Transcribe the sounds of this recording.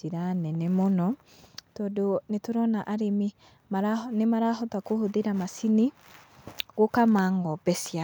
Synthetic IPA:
iɾanɛnɛmɔnɔ | tɔdonetoɾɔnaʔaɾemi | maɾanemaɾaɦɔtakohoðeɾamasini | ɣokamaŋɡɔbɛsia

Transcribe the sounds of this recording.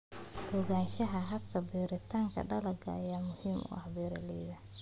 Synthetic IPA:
bɔɣaːnʃɐɦɐɦɐbkʰɐbiːɾɪt̪ʰaːŋkʰɐ̰ɖɐlɐɡʰɐ̰jaːmʊhiːmʊ̰ʔɐhbɛːɾɐlɛːðɐ

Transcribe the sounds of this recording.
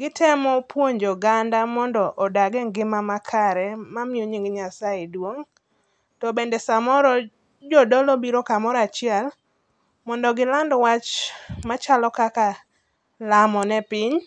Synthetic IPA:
ɡɪtʰɛmɔpwoɲd͡ʒɔɡandamɔndɔʔɔdaɡɛŋɡɪmamakʰaɾɛmamjoɲiŋɡɲasaedwoŋ | tɔbendesamɔɾɔ | d͡ʒɔdɔlɔbiɾɔkamɔɾat͡ʃɪɛl | mɔndɔɡɪlandwat͡ʃmat͡ʃalɔkaka | lamɔnɛpɪɲ

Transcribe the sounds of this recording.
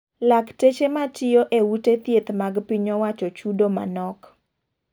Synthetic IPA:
laktet͡ʃematɪjoʔewutet̪jet̪maɡpiɲowat͡ʃɔt͡ʃudoma̰nɔk

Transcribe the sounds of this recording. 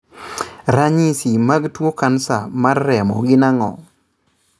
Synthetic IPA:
ɾaɲisimaɡtwokansamarːɛmɔ̰ɡɪnaŋɔ̰

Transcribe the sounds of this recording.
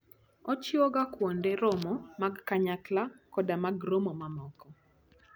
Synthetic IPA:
ɔt͡ʃɪɔɡakwɔndɛɾomɔmaɡkaɲaklakɔdamaɡromɔmamɔkɔ

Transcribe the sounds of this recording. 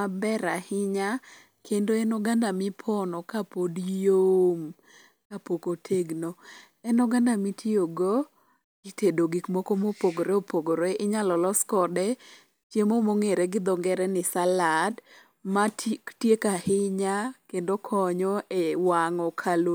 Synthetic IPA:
abɛɾahɪɲa | kʰendoɛnɔɡandamɪpʰɔnɔkapodjjom | kapokotʰeɡno | ɛnɔɡandamitʰioɡo | ɡitedoɡikmɔkomopoɡoɾeopoɡoɾeʔɪɲalɔlɔskɔdɛ | t͡ʃjemomoŋeɾɛɡɪd̪ɔŋɡɛɾɛnɪsalad | matjekahɪɲakendokʰɔɲɔʔewaŋɔkʰalo

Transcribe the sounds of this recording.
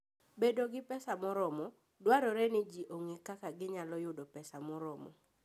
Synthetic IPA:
bedoɡɪpɛsamɔɾɔmɔ | dwaɾɔɾɛnɪd͡ʒiʔoŋekakaɡɪɲalɔjʊdɔpɛsamɔɾɔmɔ̰

